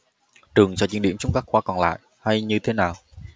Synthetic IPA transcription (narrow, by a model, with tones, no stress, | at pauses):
t͡ɕɨ˨˩əŋsɔ̰˧˥t͡ɕi˧˥˦nɗi˧˩əmt͡ɕʊ˧wŋ͡mkaː˦˥k̚xwaː˧kɔ˨˩nla̰ː˧˨jʔ | ha˧jɲɨ˧t̪ʰe˨˦naː˨˩w